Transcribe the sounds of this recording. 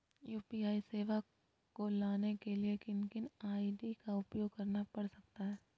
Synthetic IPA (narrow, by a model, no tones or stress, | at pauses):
juːpiaːiseːʋa | kolaːnekeliekɪnkɪnaːiɖikaʊpjoːɡkɐɾnapɐɽsɐk̚t̪aɦɛː